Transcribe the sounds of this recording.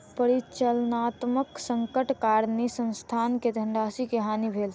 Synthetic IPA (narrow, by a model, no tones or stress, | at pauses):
pəɾit͡ʃəlnat̪məksəŋkəʈkaɾnisə̃nst̪ʰanked̪ʱəɳɖasikeɦanibʱel